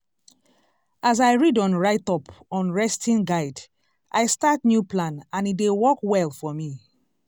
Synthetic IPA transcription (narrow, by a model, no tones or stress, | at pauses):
azaɪɹidɔ̃nɹaɪtɔpɔ̃nɹɛstʰĩnɡaɪd | ʔajstatnjupʰlãnãnit̚dewɔkwɛlfɔmi